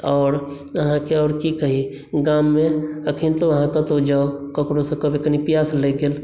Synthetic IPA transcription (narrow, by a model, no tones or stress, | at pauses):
ɔːɾ | əɦãkeɔːɾkikəɦi | ɡamːeəkʰint̪oəɦãkət̪od͡ʒaːokəkɽosẽkəbekənipijasleɡel